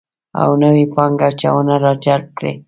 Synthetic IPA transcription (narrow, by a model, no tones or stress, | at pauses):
a̰wnəwepɑŋɡat͡ʃawənaɾɑd͡ʒaɾp̚kɽḛ